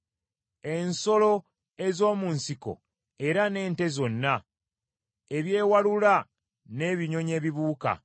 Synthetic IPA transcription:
e̞nso̞lo̞ | e̞zo̞ːmuːnsiko̞̰ | e̞ɾane̞ːnte̞zo̞nːa | e̞βje̞ːwalula | ne̞ːβiɲo̞ɲe̞ːβiβuːka̰

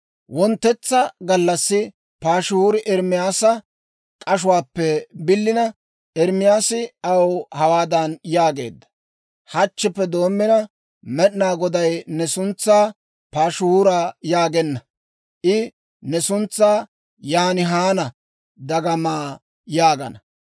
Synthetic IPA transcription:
wɔnt̪ːɛt͡sːɐɡɐlːɐsːɪ | paːʃʊhuːɾɪʔɛɾmɪjaːsɐ | kʼɐʃʊwaːpːɛbɪlːɪnɐ | ʔɛɾmɪjaːsɪɐwhɐwaːd̪ɐnjaːɡe̞̰ːd̪ːɐ̥ | hɐt͡ʃːɛpːɛd̪o̞ːmːɪnɐ | mɛɗnaːɡɔd̪ɐjnɛsʊnt͡sːaː | paːʃʊhuːɾaːjaːɡɛnːɐ | ʔɪ | nɛsʊnt͡sːaː | jaːnɪɦaːnɐ | d̪ɐɡɐmaː | jaːɡɐ̰nɐ

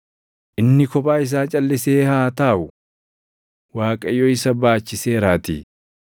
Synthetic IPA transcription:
ʔɪnːɪkɔpʼaːɪs̬aːt͡ʃʼɐlːɪseːhaːt̪aːʔʊ | waːkʼɐjːoːɪsɐbaːt͡ʃːɪseːɾaːt̪ḭː

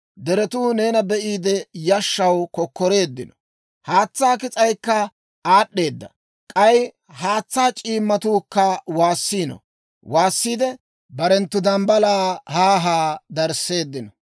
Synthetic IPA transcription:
d̪ɛɾɛt̪uːne̞ːnɐbɛʔiːd̪ɛjɐʃːɐwkɔkːɔɾe̞ːd̪ːɪnɔ̥ | haːt͡sːaːkɪt͡sʼɐjkːɐ | aːɗːe̞ːd̪ːɐ̰ | kʼɐj | haːt͡sːaːt͡ʃʼiːmːɐt̪uːkːɐwaːsːiːnɔ̰ | waːsːiːd̪ɛ | bɐɾɛnt̪ːʊd̪ɐmbɐlaːhaːɦaːd̪ɐɾse̞ːd̪ːɪnɔ

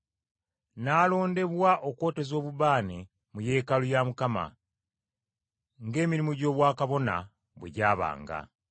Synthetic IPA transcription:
naːlo̞ːnde̞βwaʔo̞kwo̞ːte̞zo̞ːβuβaːne | muje̞ːkalujamukama̰ | ŋɡe̞ːmiɾimuɟo̞ːβwaːkaβo̞na̰ | βwe̞̰ɟaːβa̰ːŋɡa̰

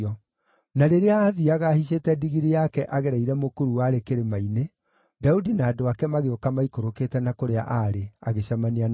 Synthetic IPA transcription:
ɔ | naɾeɾeaːðiaɣahiɕ̬etɛdiɣiɾijakɛʔaɣɛɾɛiɾɛmokoɾuwaɾekeɾemaine | daudinaːdoakɛmaɣeokamaikoɾokeːtɛnakoɾea̰ʔaɾeaɣeɕamanian

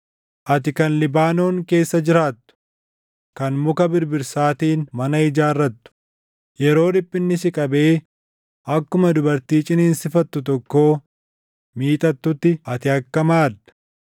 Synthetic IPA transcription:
ʔɐt̪ɪkɐnlɪbaːno̞ːŋke̞ːsːɐd͡ʒɪɾaːt̪ːʊ̥ | kɐnmʊkɐbɪɾbɪɾsaːt̪iːnmɐnɐɪd͡ʒaːrːɐt̪ːʊ̥ | jɛɾo̞ːlɪpʼːɪnːɪsɪkʼɐbe̞ː | ɐkːʊmɐd̪ʊbɐɾt̪iːt͡ʃʼɪneːnsɪfɐt̪ːʊt̪̬ɔkːo̞ː | miːt̪ʼɐt̪ːʊt̪ːɪɐt̪ɪɐkːɐmaːɐ̥

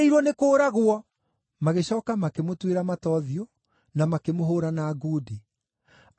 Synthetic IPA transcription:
iɾwɔnekoːɾaɣwɔ | maɣeɕɔːkamakemotweɾamatɔðjo | namakemoɦoːɾanaːɡuːdi

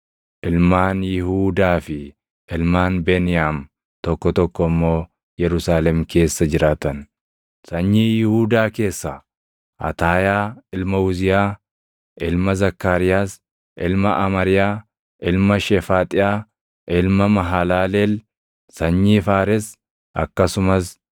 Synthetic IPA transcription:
ʔɪlmaːnjɪhuːd̪aːfɪ | ʔɪlmaːnbeːnɪjam | t̪ɔkːɔt̪ɔkːɔmːo̞ː | jɛɾʊsaːlɛmke̞ːsːɐd͡ʒɪɾʔaːt̪ɐn | sɐɲːiːjɪhuːd̪aːke̞ːsːɐ | ʔɐ̰t̪aːjaːɪlmɐʊzɪjaː | ʔɪlmɐzɐkːaːɾɪjaːs | ʔɪlmɐʔɐmɐɾɪjaː | ʔɪlmɐʃɛfaːt̪ʼɪjaː | ʔɪlmɐmɐɦalaːlel | sɐɲːiːfaːɾɛs | ʔɐ̰kːɐsʊmɐs

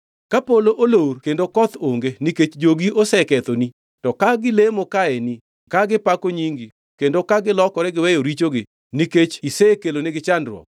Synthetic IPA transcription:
kapoloʔolorkendokɔt̪oŋɡeniket͡ʃd͡ʒoɡiʔosɛkɛt̪oni | tɔkaɡɪlemokaeni | kaɡɪpakoɲiŋɡi | kendokaɡɪlɔkɔɾɛɡɪwɛjoɾit͡ʃoɡɪ | niket͡ʃisekeloneɡɪt͡ʃandɾwɔ̰k̚

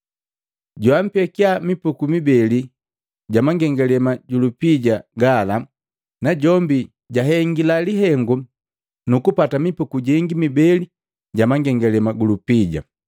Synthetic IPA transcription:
ɟwam̩pɛkiamipukumibɛli | ɟamaŋɡɛŋɡɛlɛmaɟulupiɟaɡala | naɟɔmbi | ɟaɦɛŋɡilaliɦɛŋɡu | nukupatamipukuɟiŋɡimibɛli | ɟamaŋɡɛŋɡɛlɛmaɡulupiɟa̰

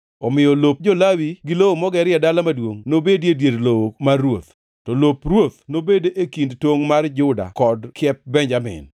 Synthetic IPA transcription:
ɔmɪjɔlop̚d͡ʒɔlawiɡɪlowomɔɡɛɾɪjɛdalamadwoŋnobedjedjedlowomarːwot̪ | tɔloprwot̪̚nobedeʔekindtwoŋmard͡ʒʊda̰kɔdkjɛp̚bɛɲd͡ʒamɪ̰n

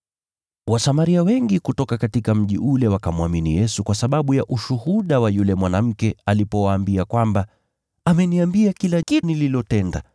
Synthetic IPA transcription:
wasamaɾiawɛŋɡikutɔkakatikam̩ʄiʔulɛwakamwaminijɛsukwasaɓaɓujaʔuʃuhuɗawajulɛmwanam̩kɛalipɔwaːmbiakwamba | amɛniambiakilaʄinililɔtɛnda̰

